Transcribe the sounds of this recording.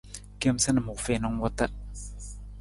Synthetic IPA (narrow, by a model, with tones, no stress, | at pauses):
ke˦msə˦nə˨mu˨fe˨nɔ˦ŋwɔ˦t̪a˦